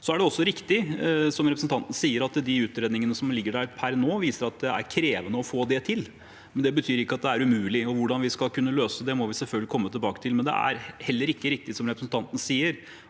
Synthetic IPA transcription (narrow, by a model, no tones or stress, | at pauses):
sɔæɖɛɔsːɔɾɪkt̪ɪsɔmɾɛpɾəsn̩t̪ʰɑnt̪nəsiːəɾɑt̪d̪ɪʉːt̪ɾeːd̪nɪŋənəsɔmlɪɡːəɖæɾpʰæɾnoːʋiːsəɾɑt̪̚d̪ɛæ̰ɾkʰɾeːʋənəɔfoːd̪ɛt̪ʰɪl | mɛnd̪ɛbət̪ʰyːɾɪkːəɑt̪̚d̪ɛæɾʉmʉːlɪɔʋʊɖɑnʋɪskɑlkʰʉnːəløːsəd̪ɛmɔʋɪsɛlfœlɡlɪkʰɔmːət̪ʰɪlbɑːkət̪ʰɪlmɛnd̪ɛ̰æ̰ɾhɛlːəɾɪkːəɾɪk̚t̪ɪsɔmɾɛpɾəsn̩t̪ʰɑnt̪nəsiːəɾ